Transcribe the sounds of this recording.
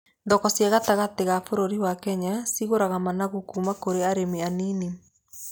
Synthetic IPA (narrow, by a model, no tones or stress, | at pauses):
ndɔkɔsjaɣataɣateɣafoɾoɾiwakɛɲasiɣoɾaɣamanaɣukuːmakoɾeaɾemeanini